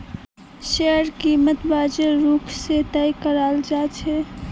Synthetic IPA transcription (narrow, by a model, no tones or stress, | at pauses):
ʃeəɾkiːmət̪bad͡ʒeɾuːkʰset̪əjkəɾald͡ʒat͡ʃʰɛ